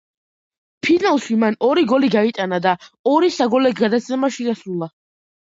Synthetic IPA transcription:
pʰinalˠʃimanɔɾiɡɔliɡait̪ʼanad̪aɔɾisaɡɔlɛɡɡad̪at̪sʰɛmaʃiɡasɾulˠa

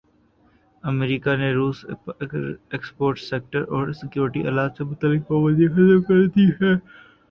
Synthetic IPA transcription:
ɐmeɾiːkaneɾuːs | ekspoːɾʈseːk̚ʈəɾɔːɾsɪkjuːɾɪʈiʔɐ̰laːt̪semʊt̪alːɪkpɐʋəd̪ixɐzəbkɐɾd̪iɦɛː

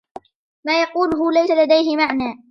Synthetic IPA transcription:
maːjɑquːlɦʊːlajsalad̪ajɦɪmaʕnaː

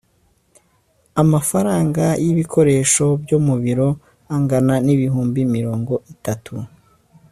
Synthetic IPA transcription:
amafaɾaːŋɡajiβikʰo̞ɾe̞ːʃo̞bjomuβiɾo̞ | aŋɡananiβiɦuːmbimiɾo̞ːŋɡo̞ʔitatʰu

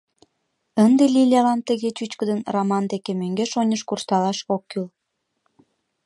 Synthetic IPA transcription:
ənd̪elʲilʲɑlɑnt̪əɣet͡ɕyt͡ɕkəd̪ənramɑnd̪ekemøŋɡeʃonʲəʃkurst̪ɑlɑʃokːyl

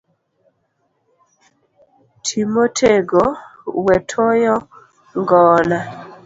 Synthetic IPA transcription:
tʰimotʰeɡowɛtʰojɔ | ŋɡɔːla

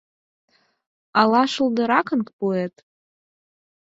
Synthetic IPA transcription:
alaʂɨldɨɾakʰənkʼpʼoetʼ

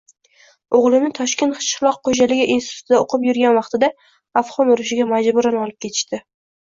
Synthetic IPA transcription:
oʁlˠɪmnɪt̪ʰɒʃkʲe̞nt̪χɨ̥ʃɪɾlˠɒqqːod͡ʒalɪɡʲɪʔinsɪ̥t̪ʰʊ̥t̪ʰɪd̪aoqʰɨpjʊɾɡʲanvɑqt̪ʰɪd̪a | afχɒnʊɾʊʃɪɡʲamad͡ʒbʊɾanɒlˠɪp̚kʰʲe̞t̪ʰɪ̥ʃt̪ɪ

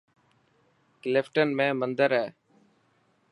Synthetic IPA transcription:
klɪfʈənmẽːmənd̪əɾɦɛː

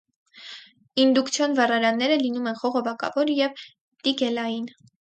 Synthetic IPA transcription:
ind̪ukt͡sʰjɑnvɑrɑɾɑnːɛɾəlinumɛnχɔʁɔvɑkɑ̰vɔɾjɛv | t̪iɡɛlɑjin

